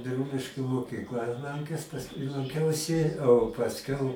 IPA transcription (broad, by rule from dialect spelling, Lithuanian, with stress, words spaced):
bʲɪˈruːlʲɪʃʲkʲuː moːkʲiːkˈlˠɑː lˠɐŋʲˈkʲɛs pɐsˈkʊɪ lˠɐŋʲˈkʲɛʊsʲɪ oː pɐsʲˈkʲɛʊ